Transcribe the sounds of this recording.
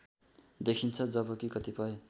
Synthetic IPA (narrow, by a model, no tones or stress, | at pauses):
d̪ekʰint͡sʰʌd͡zʌbʌkikʌt̪ipʌe